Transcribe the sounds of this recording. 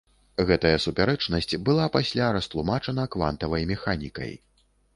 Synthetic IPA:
ɣɛt̪ɐjɐsupʲaɾɛt͡ʂnɐsʲt͡sʲbɨlˠapasʲlʲaɾɐst̪lˠumat͡ʂɐnɐkva̰nt̪ɐvɐjmʲɛxanʲikɐ̰j

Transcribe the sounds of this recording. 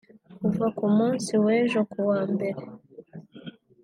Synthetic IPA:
kuvakumuːnsiweːʒo̞kuwaːmbe̞ɾe

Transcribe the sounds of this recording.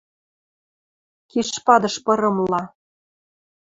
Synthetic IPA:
keʃpɑd̪ɤ̆ʃpɤ̆ɾɤ̆mlɑ

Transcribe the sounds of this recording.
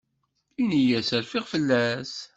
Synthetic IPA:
inijæsæɾfɪʁfəlːæs

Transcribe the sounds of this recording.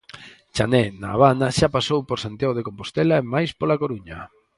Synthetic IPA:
t͡ʃanɛnaːβ̞anaʃapasowpoɾsant̪jaɣoðekompost̪ɛlaemajspolakoɾuɲa

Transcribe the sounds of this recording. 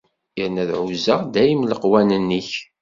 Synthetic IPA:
iɾnæðʕuzəʁd̪æjimləqwænənːiç

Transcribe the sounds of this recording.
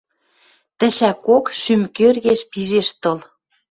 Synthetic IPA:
t̪ə̆ʃækokʃymkørɣeʃpiʒeʃt̪ɤ̆l

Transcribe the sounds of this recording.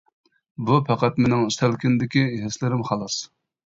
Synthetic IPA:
bupʰæqæt̪menɪŋyst̪ælkʲind̪ɪkʲiɦɪslɪɾɪmχɑlˠɑs

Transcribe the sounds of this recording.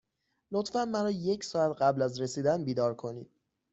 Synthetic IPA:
lot̪fænmæɾɒːje̞cʰsɒːæt̪ɢæblæzɾesiːd̪ænbiːd̪ɒːɾkʰo̞nḭːd̪̥̚

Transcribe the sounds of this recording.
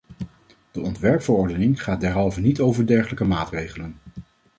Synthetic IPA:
d̥əʔɔntʋɛɹpfəɹɔɹdənɪŋχaːd̚ɛɹɦɑlˠvənitowvəɹdɛɹχələkəmaːtrejχələn

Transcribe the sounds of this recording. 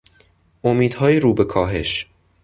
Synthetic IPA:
ʔomiːd̪̥hɒːjeɾuːbe̞kʰɒːɦe̞ʃ

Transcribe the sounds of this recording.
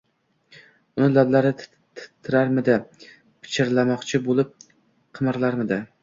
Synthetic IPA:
ʊnɪlablaɾɪt̪ʰ | t̪ʰɪ̥t̪ʰːɪɾaɾmɪd̪ɪ | pʰɪ̥t͡ʃʰɪɾlamɒqt͡ʃʰɪbolˠɪp̚ | qʰɨmɨɾlaɾmɪd̪ɪ

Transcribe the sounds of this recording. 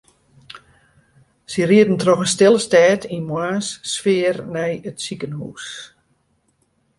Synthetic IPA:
siriətn̩trɔxənstɪlˠəstɛːtʰinmwaːnsːfɪərnɛjətsikənhṵːs

